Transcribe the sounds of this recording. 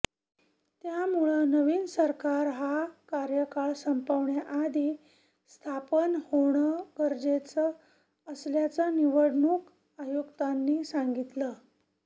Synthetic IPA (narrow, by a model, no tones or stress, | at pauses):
t̪jamuɭənəʋiːnsəɾkaɾɦakaɾjəkaɭsəmpəʋɳjaʔad̪i | st̪ʰapənhoɳ̃əɡəɾd͡zet͡səː | sljat͡səniʋəɽɳuːk | ajuɡt̪anːiːsaŋɡit̪lə